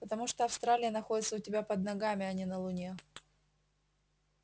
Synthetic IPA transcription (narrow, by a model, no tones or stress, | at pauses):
pət̪ɐmuʂt̪oɐfst̪ɾalʲɪjənɐxo̞dʲɪt̪səʊtʲɪbʲapəd̪nɐɡamʲɪɐnʲinəlˠʊnʲe